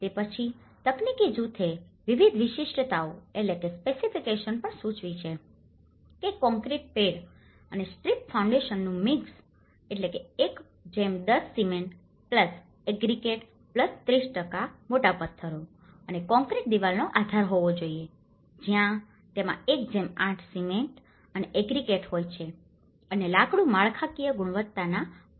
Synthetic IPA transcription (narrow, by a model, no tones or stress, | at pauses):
t̪epət͡ʃʰi | t̪əknikid͡ʒut̪ʰeʋiʋid̪ʱʋɪʃiʃʈət̪aoeʈlekespesifikeʃənpəɳsũt͡ʃʋit͡ʃʰe | kekɔ̃ŋkɾeʈ̚peɽ | ənesʈɾipfʰaũɳɖeʃənːũmiks | eʈlekeek | d͡ʒemd̪əsːimen | pləs | eɡɾikeʈ | pləst̪ɾisʈəkamoʈapəɾt̪ʰːəɾo | ənekɔ̃ŋkɾeʈ̚d̪iʋalnoʔad̪ʱaɾɦoʋod͡ʒoie | d͡ʒjã | t̪emã̰ek̚d͡ʒemãʈʰsimeɳʈ | əneʔeɡɾikeʈɦojt͡ʃʰe | ənelakɽũmaɭkʰakijəɡuɽ̃ʋət̪ːana